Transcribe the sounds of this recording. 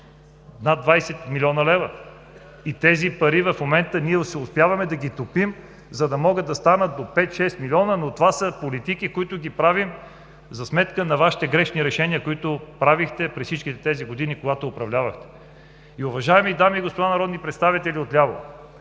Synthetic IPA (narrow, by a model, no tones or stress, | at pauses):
nad̪vajsɛt̪milʲɔnəlɛvə | it̪ɛzipɐɾivɐfmomɛnt̪əniɛsɛʊspjavɐmɛd̪ɐɡit̪opim | zɐd̪ɐmɔɡəd̪ɐst̪anət̪̚d̪opɛt̪ʃɛst̪milʲiɔnənot̪ovasəpolit̪ikikoit̪ʊɡipɾavim | zɐsmɛt̪kənɐvaʃi̥t̪ɛɡɾɛʃniɾɛʃɛniəkoit̪ʊpɾavixt̪ɛpɾɛssit͡ʃkit̪ɛt̪ɛziɡod̪inikoɡat̪oːpɾɐvlʲavəxt̪ɛ̥ | iʊvɐʒaɛmid̪amiːɡospod̪anɐɾɔd̪nipɾɛt̪st̪avit̪ɛlʲiot̪lʲavo̰